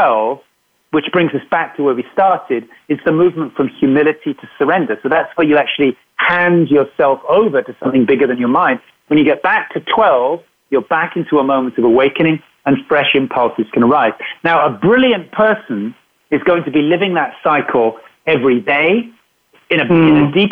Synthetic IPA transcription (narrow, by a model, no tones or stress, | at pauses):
wɛlˠv̥ | wɨt͡ʃb̥ɹɪ̃ŋzʌsb̥æk̚tʰəwə˞wistɑɹɾɪɾ | ɨzðɨmʉvmə̃ntfɹʌ̃mhjʉmɪlˠɨɾiɾɨsə˞ɛ̃ndə˞soʊðætswə˞jɨæk̚t͡ʃʉl̩ˠi | hæ̃nd͡ʒjə˞sɛlˠfoʊvə˞ɾɨsʌ̃mθɪ̃ŋbɪɡə˞ðɨ̃njə˞mãɪ̃nd | wə̃njɨɡɛt̚b̥æk̚tʰɨtʰw̥ɛlˠv̥ | jəlˠbækɪ̃ntʰuəmõʊ̃mɨ̃ntʌvəweɪkɨ̃ñɪ̃ŋ | ɨ̃nfɹɛʃɪ̃mpʰʌlˠsɨz̥kʰɨ̃ñə˞aɪz̥naʊəbɹɪlˠjɨ̃npʰɜ˞sɨ̃n | ɨzɡoʊɪ̃ŋtʰɨbilɪvɪ̃ŋðətsaɪkʰl̩ˠɛvɹideɪ | ɨ̃ñɨɪ̃nɨdip